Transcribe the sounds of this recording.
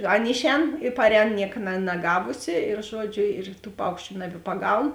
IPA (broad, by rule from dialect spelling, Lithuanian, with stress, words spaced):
ˈɐn ˈɪʃʲˌɛːn ɪ ˈpɑːrʲˌɛːn ˈnʲiɛk nɐ nɐˈɡɑːʋʊsʲɪ ɪr ˈʒuɔˌd͡ʒʲʊ ɪr tuː ˈpɐʊkʃʲt͡ʃʲʊ nɐbʲɪpɐˈɡɐʊn